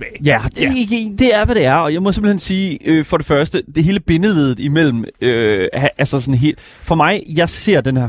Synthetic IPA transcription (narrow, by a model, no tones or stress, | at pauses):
jæd̥e̥d̥e̝æɐʋæɾ̥e̝æɐɒ̽jɑ̈ɪmɒse̝mb̥l̩hensiːøfɒ̽ɾ̥e̝fɶɐsd̥əd̥e̝ɦe̝ːləb̥e̝nəleðˠð̩ˠimel̰m̩øæʔælsɐs̬ɒ̽nɦe̝̰ːl̥ | fɒ̽mɑ̈ɪjɑ̈ɪse̝ɐ̰d̥enhæɐ